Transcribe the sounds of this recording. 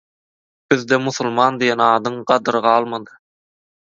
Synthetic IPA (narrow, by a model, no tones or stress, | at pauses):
byðd̪ɛmuθulˠmɑːnd̪ijenɑːd̪ɯɴɢɑd̪ɯɾɯʁɑːlˠmɑd̪ɯ